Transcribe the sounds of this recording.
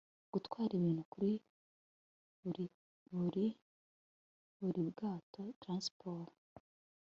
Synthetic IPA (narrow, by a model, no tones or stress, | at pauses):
ɡ̥utwaːɾiβiːnukuɾi | ɾi | βuɾi | βuɾiβɡaːtotɾãnspʰoɾ